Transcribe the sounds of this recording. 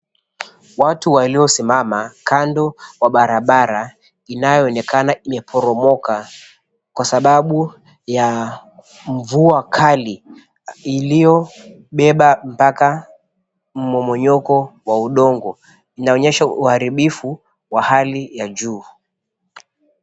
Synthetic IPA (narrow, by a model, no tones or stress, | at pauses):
watuwaliɔsimamakʰandɔwaɓaɾaɓaɾa | inajɔːnɛkanaimɛpʰɔɾɔmɔka | kwasaɓaɓu | ja | ɱ̩vuakʰali | ilijɔ | ɓɛɓam̩paka | m̩mɔmɔɲɔkɔwauɗɔŋɡɔ | inaɔɲɛʃauhaɾiɓifu | wahalijad͡ʒuː